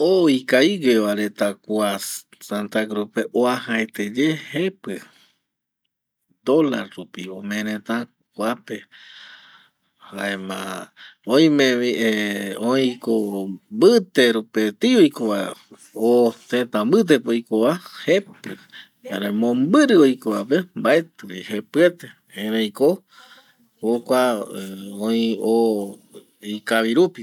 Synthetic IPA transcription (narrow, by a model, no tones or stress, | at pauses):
oikaiɡeβaɾet̪akua | sant̪aɡɾopeʔoahaet̪ed͡ʒehepɨ | d̪olaɾɾupiomẽɾẽt̪ã | kʷuape | haemã̰õj̃mẽieoĩkombɨt̪eɾupet̪iojkoβa | ot̪ẽt̪ambɨt̪̬epojkoβahepɨ | aɾẽmõmbɨɾɨojkoapembaet̪ɨihepɨet̪e | ẽɾẽjko | hokʷa | õĩo | ikaβiɾupi